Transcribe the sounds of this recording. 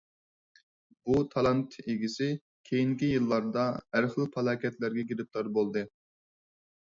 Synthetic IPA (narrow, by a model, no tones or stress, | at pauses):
but̪ʰɑlˠɑnt̪ʰeɡʲisɪ | kʲʰejiŋkʲijɨlˠːɑɾd̪ɑæɾχlˠpʰɑlˠɑːkʲʰɛt̪læɾɡʲɛɡʲiɾɪp̪̚t̪ˠɑɾbolˠd̪ɨ